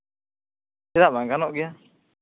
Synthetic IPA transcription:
sɛɾaʔbaŋɡanɔʔɡɛja

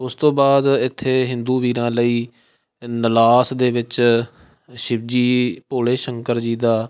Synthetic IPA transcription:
ʊst̪õːbaːd̪ɪt̪ʰːeːɦɪ̃nd̪uːʋiːɾãːləiː | nəlaːsd̪eːʋɪt͡ʃ | ʃɪb̚d͡ʒiːpoːleːʃəŋkəɾd͡ʒiːd̪aː

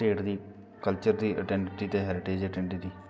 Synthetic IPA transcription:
ʈeːʈd̪iː | kəlt͡ʃəɾd̪iːʔə̰ʈɛ̃ːɳʈiːt̪eːɦɛːɾɪʈeːd͡ʒəʈɛ̃ɳʈiːd̪iː

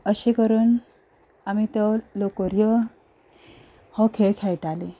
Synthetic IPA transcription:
əɕekəɾən | amit̪ɔlokəɾjə | hɔ̃kʰeɭkʰajʈale

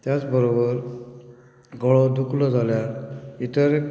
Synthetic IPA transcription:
t̪jat͡sbəɾobəɾ | ɡɔɭɔd̪uklɔd͡zʱaljait̪əɾe

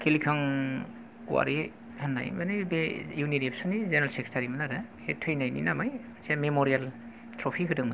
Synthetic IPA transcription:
kʰilikʰaŋ | kṵwa̰ɾi | hanːa̰jmanɯbejunitep̚sunizeneɾalsekʰɾetʰaɾimanaɾɯhetʰɯjnajnḭnamajasʰiamemoɾial | tʰɾɔpʰikʰɯdɯŋma

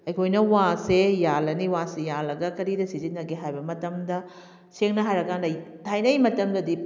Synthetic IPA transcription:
ɐjkʰojnɐwasejalɐniwasejalɐɡɐkɐɾidɐsizinːɐɡeɦajbɐmɐtɐmdɐ | seŋnɐɦajɾɐɡɐnɐjtʰajnɐjmɐtɐmdɐdi

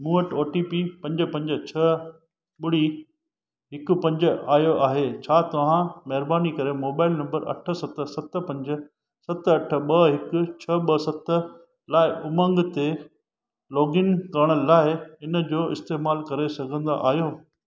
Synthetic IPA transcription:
mũːəʈoːʈipipɐ̃ɲd͡ʑə̆pɐ̃ɲd͡ʑə̆t͡ɕʰɐ | ɓʊɽ̤i | ɦɪkʊ̆pɐ̃ɲd͡ʑəaːɦijoʔaːɦet͡ɕʰaːt̪ɐʋ̤ãmɐɦɪɾbaːnikɐɾemoːbaːɪlnɐ̃mbəɾɐ̰ʈʰə̆sɐt̪sɐt̪ə̆pɐ̃ɲd͡ʑə̆ | sɐt̪ɐʈʰə̆ɓɐɦɪkʊ̆t͡ɕʰɐɓɐsɐt̪ə | laːɪʔʊmə̃ŋɡt̪e | lɔːɡɪnkɐɾɽ̃əlaːɪɪnə̆d͡ʑoːɪ̰st̪eːmaːlkɐɾesɐɡʱə̃nd̪a̰ʔa̰ːɦjoː

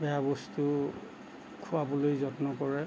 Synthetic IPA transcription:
bɛabɔstu | kʰuwabɔlojzɔtnɔkɔɹɛ

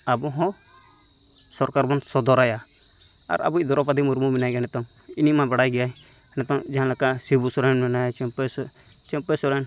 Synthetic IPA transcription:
abɔɦɔ̃ | sɔɾkaɾbɔnt̪sɔd̪ɔɾaja | a̰ɾa̰buid̪ɔɾɔpad̪imuɾmuminajɡɛnɛt̪ɔŋ | inimãbaɽajɡɛja | nɛt̪ɔŋd͡ʒaɦãlakasibusɔɾanmɛnajt͡ʃɔpɛs | t͡ʃɛ̃pɛsɔɾan

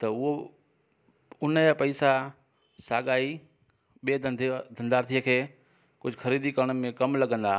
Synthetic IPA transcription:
t̪ɐʊɦo | ʊnəəpɐɪsa | saːɠaːi | ɓieːd̪ʱɐ̃nd̪aːɾt̪ʰijəkʰeː | kʊd͡ʑʱʊxɐɾiːd̪ikɐɾəɽ̃̆mẽkɐmlɐɡə̃nd̪aː

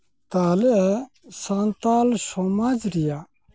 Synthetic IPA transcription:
t̪aːle | sant̪aːlʃomad͡ʑɾija

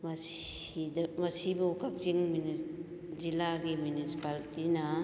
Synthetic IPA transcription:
mɐsidmɐsibukak̚ziŋmuni | zilaɡimjunisi̥palitinɐ

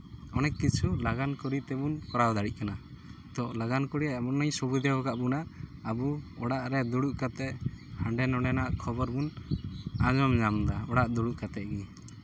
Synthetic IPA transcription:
ɔnɛkːit͡ʃʰulaɡankɔɽit̪ɛbunkɔɾawd̪aɽic̚kana | d̪ɔlaɡankɔɽiabɔnːajsɔbud̪ɛwɔkaʔbunaʔːbuɔɽaʔɾɛd̪uɽuʔkat̪ɛʔhaɳɖɛnɔɽɛnaʔkʰɔbɔɾbun | ad͡ʒɔmɲamd̪aɔɽaʔd̪uɽuʔkat̪ɛʔɡi

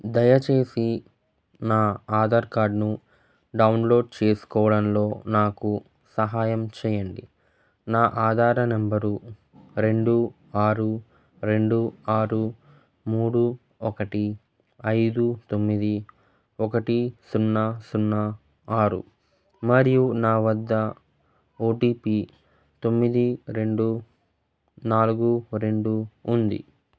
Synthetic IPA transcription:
d̪ɐjɐt͡ʃe̞ːsi | naːaːd̪ɐɾkaːɾɖnu | ɖɐunlo̞ːɖ̚t͡ʃe̞ːsu̥kɔːʋɐɽɐnlo̞ːnaːku | sɐɦaːjɐmt͡ʃɛːjɐɳɖi | naːʔaːd̪ʱaːɾɐnɐmbɐɾu | ɾe̞ɳɖu | aːɾu | ɾe̞ɳɖuaːɾu | muːɽu | ɔkɐʈi | ɐjd̪ut̪o̞mːid̪i | ɔkɐʈisunːɐsunːɐ | aːɾṵ | mɐɾijunaːʋɐd̪ːɐ | oːʈiːpi | t̪o̞mːid̪iɾe̞ɳɖu | naːluɡuɾe̞ɳɖuːnd̪ḭ

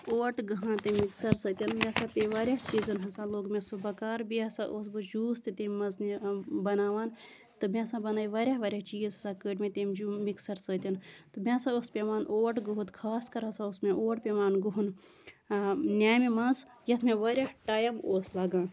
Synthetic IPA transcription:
oːʈɡɐɦãːt̪emiksɐɾsət̪ʲɐnmʲẽsãːpʲeʋaːɾʲjaɦt͡ʃiːzɐnɦɐsãloːɡmʲẽsubɐkaːɾbiɐsaːʔosbɨd͡ʒuːst̪it̪emmɐnznbɐnaːʋaːn | t̪ɨmẽsãbɐnaːiʋaːɾʲjaʋaːɾʲjaɦt͡ʃiːzɦɐsãkəːʈmẽt̪eːmd͡ʒumiksɐɾsət̪ʲɐnt̪ɨmʲãːsaospʲeʋaːnʔoːʈɡuɦut̪kʰaːskɐɾɦɐsãusmẽʔoːʈpʲeʋaːnɡuɦun | nʲaːjmemɐnz | jɐt̪ʰmẽʋaːɾʲahʈaːjɐmoːslaːɡãːn

